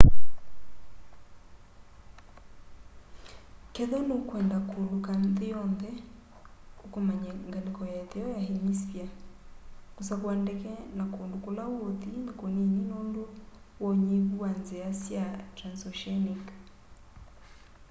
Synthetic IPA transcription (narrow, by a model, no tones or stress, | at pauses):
kɛðɔnokwɛndakolokanðejɔnðɛ | okomaɲaŋɡalekɔjatejɔjaheɲisja | kusakwandɛkɛnakoːndokolawotinakonininoːndo | wɔɲeβuwanzeasjatɾansɔʃɛnik